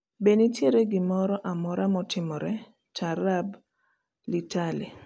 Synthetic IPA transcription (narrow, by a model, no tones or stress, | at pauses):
benitjeɾeɡɪmɔɾɔʔamɔɾamɔtɪmɔɾɛ | taɾab | litali